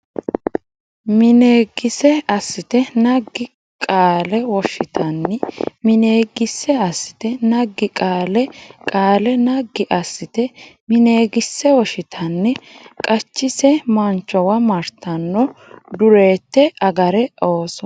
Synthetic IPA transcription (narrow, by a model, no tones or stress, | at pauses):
mɪneːɡɪsɛɐsːɪt̪ɛnɐɡːɪ | kʼaːlɛwɔʃɪt̪ʰɐnːɛmɪneːɡɪsːɛɐsːɪ̥t̪ɛnɐɡːɪkʼaːlɛkʼaːlɛnɐɡːɪʔɐsːɪt̪ɛ | mɪne̞ːɡɪsːɛwɔʃɪt̪ʰɐnːɛkʼɐt͡ʃːɪsɛmɐnt͡ʃːɔwɐmɐɾt̪ʰɐnːɔd̪ʊɾe̞ːt̪ːɛɐɡɐɾɛoːsɔ